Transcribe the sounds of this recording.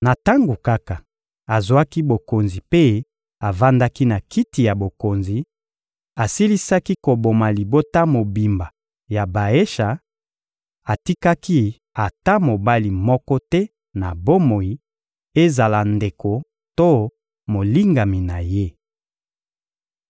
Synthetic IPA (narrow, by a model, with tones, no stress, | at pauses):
na˨ta˦ŋɡo˨ka˦ka˨ | a˨zwa˦ki˦bo˨ko˨nzi˨pe˦ | a˨va˦nda˦ki˦na˨kʰi˦ti˨ja˨bo˨ko˨nzi˨ | a˨si˦li˦sa˦ki˦ko˨bo˨ma˨li˨bo˦ta˦mo˨bi˨mba˨ | ja˨ba˨e˦ʃa˨ | a˨ti˦ka˦ki˦ | a˨ta˦mo˨ba˦li˨mɔ˦kɔ˦tɛ˦ | na˨bo˦mo˨ji˨ | e˦za˨la˨nde˨ko˨ | to˦ | mo˨li˦ŋɡa˨mi˨na˨je˦